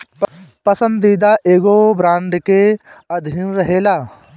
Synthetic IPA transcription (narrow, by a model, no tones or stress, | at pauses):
pəsə̃nd̪iːd̪aʔeːɡobɾãːɳɖkeɐd̪ʱiːnɾəɦeːlaː